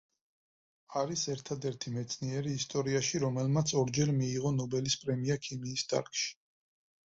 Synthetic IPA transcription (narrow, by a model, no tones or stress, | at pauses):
aɾisɛɾt̪ʰad̪ɛɾt̪ʰimɛt̪sʰniɛɾiːst̪ʼɔɾiaʃiɾɔmɛlmat̪sʰɔɾd͡ʒɛɾmiːʁɔnɔbɛlispʼɾɛmiakʰimiːsd̪ʰa̰ɾkʼʃi̥